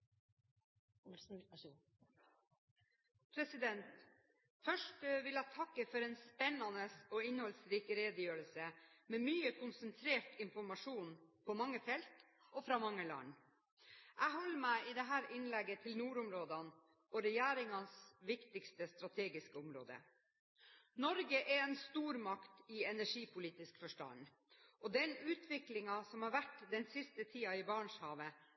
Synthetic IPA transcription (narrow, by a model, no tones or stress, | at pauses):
pʰɾɛsɪd̪ɛnt̪ | fœʂʈʋɪlæɪt̪ʰɑkːəfɔɾɛːnspɛnɑnəsɔːɪnhɔlsɾiːkəɾeːd̪əjøːɾəlsəmeːmyːəkʰʊnsənt̪ʰɾeːʈɪnfɔɾmɑʂuːnpʰɔmɑŋːəfɛlt̪ | ɔfɾɑːmɑŋːəlɑ̰ɳ | ʔæɦɔlːmæɪɪd̪ɛɦæːɾɪnlɛɡət̪ʰɪlnuːɾʊmɾoːd̪ɑn | ɔɾɛjæːɾɪŋɑnsʋɪkt̪ɪkst̪əst̪ɾɑt̪ʰeːɡɪskəʊmɾo̰ːd̪ə̰ | nɔɾɡəʔɛɛnst̪uːɾmɑkt̪ɪɛnæʂiːpʰʊliːt̪ɪskfœʂʈɑ̰n | ʔɔd̪ɛnʉːt̪ʰʋɪklɪŋɑsɔmhɑɾʋæʈːd̪ɛnsɪst̪ət̪ʰiːɑɪbɑɳʂhɑːʋə